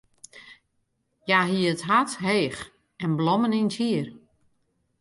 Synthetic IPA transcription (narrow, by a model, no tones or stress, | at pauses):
jaɦiəətɦatɦeːx | ɛnblɔmənintʰjiər